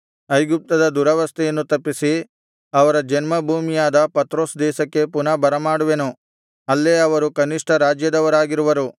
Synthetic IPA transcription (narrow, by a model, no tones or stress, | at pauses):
ɐjɡup̚t̪ɐd̪ɐd̪uɾɐʋɐst̪ʰɛjɐnːut̪ɐpːisi | ɐʋɐɾɐd͡ʒɐnmɐbʱuːmijaːd̪ɐpɐt̪ɾo̞ːsd̪ɛːʃɐkːe̞punɐbɐɾɐmaːɽuʋenu | ɐlːeɐʋɐɾukɐniʂʈʰɐɾaːd͡ʒjɐd̪ɐʋɐɾaːɡiɾuʋɐɾu